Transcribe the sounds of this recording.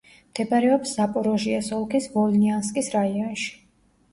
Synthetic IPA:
md̪̥ɛbaɾɛɔpsːapʼɔɾɔʒiasɔlˠkʰisvɔlnianskʼisɾaiɔnʃi̥

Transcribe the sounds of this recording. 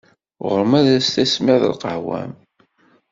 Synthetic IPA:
ʁəɾəmæðæst̪æsmɪʕðə̰lqəʕwæ̰m

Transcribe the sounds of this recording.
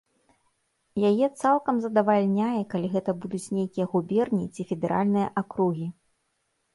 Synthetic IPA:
jajɛt̪salˠkɐmzɐd̪ɐvalʲnʲajɛkalʲiɣɛt̪ɐbud̪ut͡sʲnʲejkʲijɐɣubʲɛrnʲit͡sʲifʲɛd̪ɛɾa̰lʲnɨjɐʔakɾuɣʲi

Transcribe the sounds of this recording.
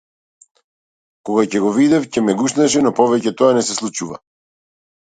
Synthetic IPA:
kɔɡacɛɡɔvid̪ɛfcɛmɛɡuʃnɛʃ̬ɛnɔpɔvɛcɛt̪ɔanɛsɛslˠut͡ʃuva̰

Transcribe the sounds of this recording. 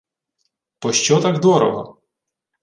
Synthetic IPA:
pɔʃt͡ʃɔt̪aɡd̪ɔɾɔ̰ɦɔ̰

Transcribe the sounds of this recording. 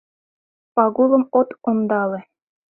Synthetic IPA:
pɑɡulˠɤ̆mot̪ond̪ɑlɤ̆

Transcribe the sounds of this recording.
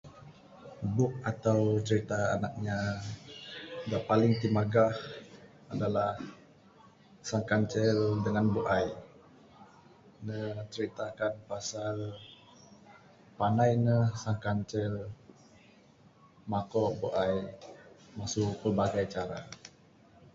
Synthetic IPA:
bʊk̚at̪awt͡ʃəɾit̪aːnak̚ɲa | daʔpalɪŋt̪imaɡah | adalah | saŋkaɲt͡ʃɛldəŋanbuʔaj | nət͡ʃəɾit̪akanpasal | panajnəhsaŋkant͡ʃɛl | makɔʔbuʔaj | masʊʔpərbaɡajt͡ʃaɾa̰

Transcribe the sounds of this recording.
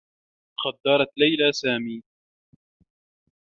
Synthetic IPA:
qɑd̪ːɑɾˤɑt̪lajlasaːmiː

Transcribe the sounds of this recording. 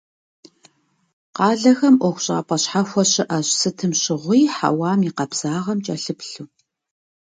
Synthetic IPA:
qɑːɮɐxɐmʔʷɔxʷɕʼa̰ːpʼɐɕħaxʷɔɕɪʔɐɕsɨtʰɨmɕɪʁʷijːħa̰wɑːmiqɐbz̥aːʁɐmt͡ʃʼɐɬɨpɬuː

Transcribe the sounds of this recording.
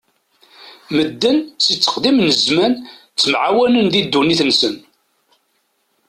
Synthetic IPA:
məd̪ːənt͡sːət͡sːə̥qd̪imnəzmæn | t͡sːəmʕawænənðid̪ːuniθnsən

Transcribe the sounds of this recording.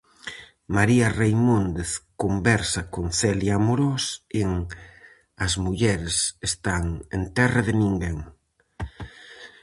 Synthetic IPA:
maɾiarejmond̪eθkombɛɾsɐkoŋθɛliamoɾoseŋ | ɐzmuʎɛɾesest̪aŋent̪ɛraðɪnĩŋɡeŋ

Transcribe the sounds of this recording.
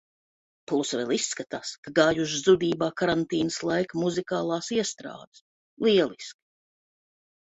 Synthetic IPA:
plˠusvɛ̰lˠisːkat̪aːskaɡaːjuʒzud̪iːbaːkaɾant̪iːnɨslˠajkmuzikaːlˠaːsiɛst̪ɾa̰ːd̪ɨ̥s | lˠiɛlˠiski̥

